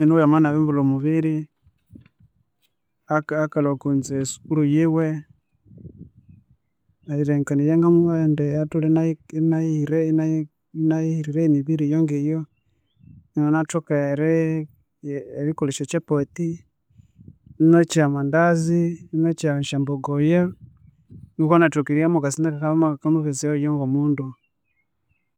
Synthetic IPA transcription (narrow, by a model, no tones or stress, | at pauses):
ɛnɔjamanaβɛmbulɔmuβiɾi | akakalɔkonzɛsu̥kulujewɛ | aiɾɛŋkanijɛŋɡamuɛndɛatulɛnanaiɾɛna | naiiɾiɾɛmiβiɾijɔŋɡejɔ | nonatokaɾɛ | ɾikuliʃɔt͡ʃapɔti | not͡ʃamandazinot͡ʃaʃamboɡɔjɛ | ŋukonatukiɾiamoɡasindakakaβamaakamuβeziɔjɔŋɡomundu